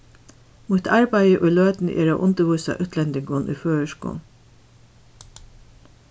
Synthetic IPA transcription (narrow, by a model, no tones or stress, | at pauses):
muːt̪ʰɑɹbæɪəʔɔɪløːd̪n̩ʔḛːɾa̰ʊʔʊnt̪əʋuːsa̰ʔʉːt̪ʰlɛnd̪ɪŋɡʊnʔy̰ːføːəʃkṵː